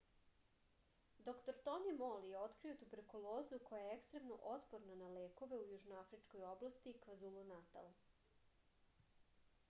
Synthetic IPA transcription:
d̪o̞kt̪o̞ɾt̪onimolijeo̞t̪kɾio̞t̪ubeɾkulˠoːzuko̞jajeekst̪ɾe̞mno̰ʔot̪poɾnanaleːko̞ʋe̞ujuːʒnoafɾit͡ʃko̞jo̞blˠast̪ikʋazulˠunat̪a̰l

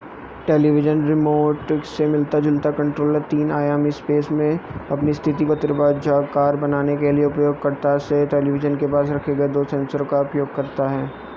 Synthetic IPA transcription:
ʈeːliʋɪd͡ʒənɾɪmoːʈsemɪlt̪ad͡ʒɪlt̪akɐ̃ɳʈɾoːləɾt̪iːnaːjaːmispeːsmẽɐpnist̪ʰɪt̪ikot̪ɪɾbaːd̪d͡ʒaːkaːɾbɐnaːnekelieʊpjoːɡ̚kɐɾt̪aseʈeːliʋɪd͡ʒənkepaːsɾɐkʰeɡɐed̪oːsɛ̃ːnsəɾ̃kaʊpjoːɡ̚kɐɾt̪aɦɛː

